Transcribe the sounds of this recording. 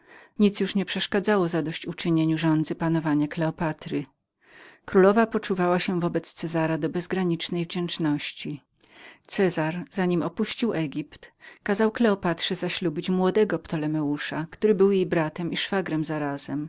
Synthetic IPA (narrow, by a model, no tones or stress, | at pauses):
ɲit̪sjuʂɲɛpʂɛʂkad̪zawɔzad̪ɔɕt͡ɕut͡ʂɘɲeɲuʐɔnd̪zɘpanɔvaɲaklɛɔpat̪ɾɘ | kɾulɔvapɔt͡ʂuvawaɕɛvɔbɛt̪st̪sɛzaɾad̪ɔbɛzɡɾaɲit͡ʂnɛjvd͡ʑɛnt͡ʂnɔɕt͡ɕi | t̪sɛzaɾz̥aɲimɔpuɕt͡ɕiwʔɛɡʲipt̪kazawklɛɔpat̪ʂɛzaɕlubʲit͡ɕmwɔd̪ɛɡɔpt̪ɔlɛmɛuʂakt̪uɾɘbɘwjejbɾat̪ɛmiʂfaɡɾɛmzaɾaz̥ɛm